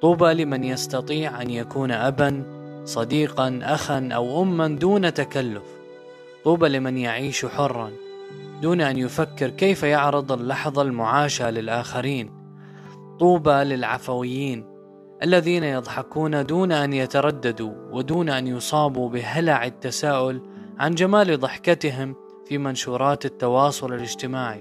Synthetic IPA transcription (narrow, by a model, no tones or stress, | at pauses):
t̪ˤuːbalɪmɪnjast̪ɑt̪ˤiːʕʔanjakuːnʔabansˤɑd̪iːqɑnʔaxanʔa̰wʔʊmːand̪uːnat̪akalːʊf | t̪ˤuːbalɪmɪnjaʕiːʃuħʊrˤːɑn | d̪uːnʔanjʊfakːɪɾkeːfajʊʕɾɨd̪ˤɪlːɑħðˤɑlmʊʕaːʃalɪlʔaːxaɾiːn | t̪ˤuːbalɪlʕa̰fawɪjːiːn | ʔalːaðiːnajɑðˤħɑquːnad̪uːnʔanjat̪ɑɾˤɑd̪ːad̪uwɪd̪uːnʔanjʊsˤɑːbubɪɦalaʕɪt̪ːasaːʔʊlʕand͡ʒamaːlðˤɨħkat̪ɪɦɪm | fimanʃuːɾˤɑːt̪ɪt̪ːɑwɑːsˤʊlɪlɪd͡ʒt̪ɪmaːʕi